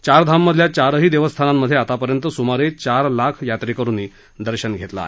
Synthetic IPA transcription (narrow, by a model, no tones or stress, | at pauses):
t͡ɕaɾd̪ʱamːəd̪ʱljat͡ɕaɾəɦiːd̪eʋəst̪ʰanamːəd̪ʱːjeat̪apəɾjənt̪əsumaɾet͡ɕaɾlakʰjat̪ɾikəɾuːnːiː | d̪əɾɕənɡʱet̪la̰